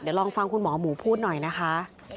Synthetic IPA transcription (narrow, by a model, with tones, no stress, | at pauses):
di˩˦wlɔː˧ŋfa˧ŋkʰu˧nmɔː˩˦muː˩˦pʰuː˥˩t̪̚nɔ˨˩jna˦˥kʰa˦˥ʔ